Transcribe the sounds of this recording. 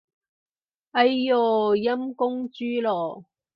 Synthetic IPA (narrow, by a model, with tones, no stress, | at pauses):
ɐ˦˥jːɔː˨˩jɐ˥mkʊ˥ŋt͡ʃyː˥lɔː˨˩